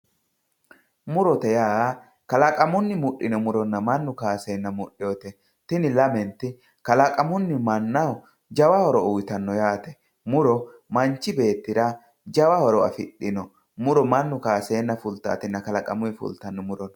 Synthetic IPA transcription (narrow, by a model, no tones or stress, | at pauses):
mʊɾɔt̪ɛjaː | kɐlɐkʼɐmʊnːɪmʊɗːɪnɔmʊɾɔnːɐmɐnːʊkaːseːnːɐmʊɗɪjɔt̪ɛ | t̪ɪnɪlɐmɛnt̪ɪ | kɐlɐkʼɐmʊnːɪmɐnːɐw | d͡ʒɐwɐhɔɾɔʊwt̪ɐnːɔjaːt̪ɛ̥ | mʊɾɔ | mɐnt͡ʃːɪbe̞ːt̪ːɪɾa | d͡ʒɐwɐhɔɾɔɐfɪɗːɪnɔ | mʊɾɔmɐnːʊkaːseːnːɐfʊlt̪a̰ːt̪ɪnːɐkɐlɐkʼɐmʊɪfʊ̰lt̪ɐnːɔmʊɾɔn